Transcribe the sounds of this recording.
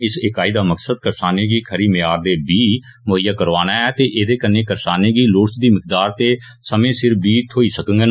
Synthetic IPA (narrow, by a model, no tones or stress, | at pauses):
ɪsɪkaːiːd̪aːməksəd̪kəɾsaːneːɡiːkʰəɾiːmɪjaːɾd̪eːbiː | mʊɦəjːaːkəɾʋaːnaːɛːt̪eːʔeːd̪eːkəneːkəɾsaːneːɡiːloːʈt͡ʃd̪iːmɪkd̪aːɾt̪eː | səmẽːsɪɾbiːt̪ʰoːiːsəkə̃ŋɡɛː